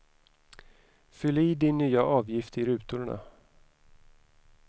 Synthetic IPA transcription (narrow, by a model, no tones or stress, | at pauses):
fʏliːd̪ɪnːyːaʔɑːvjɪft̪ɪɾʉ̟ːt̪ʊɾɳa̰